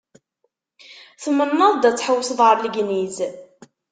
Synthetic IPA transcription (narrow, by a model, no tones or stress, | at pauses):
θəmːənːəðˤd̪æt͡sːħəwːsðˤʁəɾˤləɡniz